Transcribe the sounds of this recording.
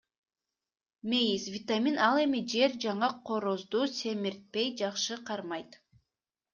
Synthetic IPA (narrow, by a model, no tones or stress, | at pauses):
mʲejisvʲɪt̪amʲinɑlˠe̞mid͡ʒe̞ɾd͡ʒɑɴɑqʰo̞ɾozd̪uːse̞miɾt̪̚pe̞jd͡ʒɑqʃɯqʰɑɾmɑjt̪